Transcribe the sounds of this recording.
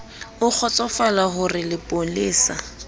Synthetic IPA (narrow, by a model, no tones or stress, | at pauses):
ʊk͡xʰɔt͡sʼɔfalaɦʊrɪlɪpʼoleːsa̰